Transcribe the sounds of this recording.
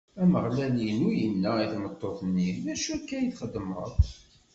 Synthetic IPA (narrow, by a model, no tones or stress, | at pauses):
æməʁlælinujənːæiθmət̪ˤːoθənːiðæʃuækːæjiθχəd̪ːməðˤ